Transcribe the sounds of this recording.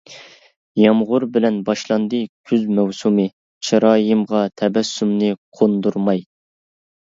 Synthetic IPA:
jɑmʁʊɾbɪlɛnbɑʃlˠɑnd̪ɨkʲʰyzmɛwsumɨ | t͡ʃʰɑɾɑːjɨmʁɑt̪ʰɛbɛsːumnɨqʰond̪uɾmɑj

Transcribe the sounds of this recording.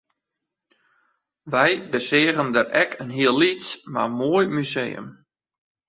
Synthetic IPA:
ʋɛjbəsɪːəɣəndərɛkʰənɦiəlːisma̰rmoːjmyzeːə̰m

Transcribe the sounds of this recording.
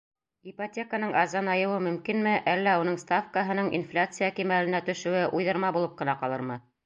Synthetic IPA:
ipɐtʲe̞kənɤɴʔɑzɑnɑjɤ̆wɤmɵ̆mkinmɘʔælːæunɤɴst̪afkəɦɤ̆nɤɴʔḭnflʲat̪sɨjakimælɘ̆næt̪ɵ̆ʃɵ̆wɘʔujðɤ̆ɾmɑbulˠɤp̚qɤ̆nɑqɑlˠɤɾmɤ

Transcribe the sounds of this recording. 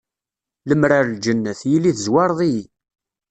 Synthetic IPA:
ləmɾaɾld͡ʒənːəθjilːiθəzwɑɾˤðˤi

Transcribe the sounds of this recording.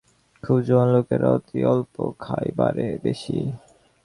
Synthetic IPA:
kʰubd͡ʑɔnlokeɾɔt̪iɔlpokʰajbaɾebeʃi

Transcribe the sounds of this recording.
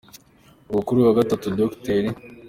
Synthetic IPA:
umukuɾuwaɡatatudokteɾi

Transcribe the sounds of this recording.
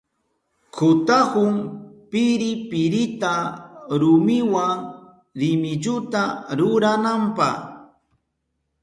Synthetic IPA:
kʰʊt̪ahʊmpɪɾɪpɪɾɪt̪aɾʊmɪwaŋ | ɾɪmɪʎʊt̪aɾʊɾanampɑχ

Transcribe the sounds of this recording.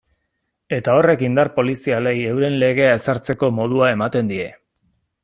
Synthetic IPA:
e̞t̪ao̞re̞kind̪arpo̞lisialeje̞wɾe̞nle̞ɣ̞e̞ae̞saɾt͡se̞ko̞mo̞ð̞uae̞mat̪e̞nd̪ie̞̰

